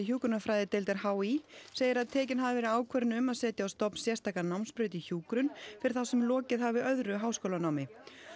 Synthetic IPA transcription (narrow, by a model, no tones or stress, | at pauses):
ɪçuːkɾʏnafɾajðɪt̪ejlt̪ɛɾ̥haːwiseːjɪɾaðt̪ʰɛːcɪnɦavɪvɛːɾɪaːwkʰvɛɾnʏmaðsɛːt̪jaawst̪ɔpn̥sjɛst̪ʰaːkanawmnspɾœːɥt̪içuːkɾʏnfɪɾɪ̥θasɛmlɔːcɪðɦavɪœðɾʏɦaːwskowlanawmɪ